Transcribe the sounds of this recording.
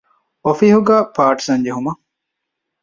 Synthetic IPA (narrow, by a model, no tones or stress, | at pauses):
ofihuɡæːpʰaːʈsɐnd͡ʒeɦumɐ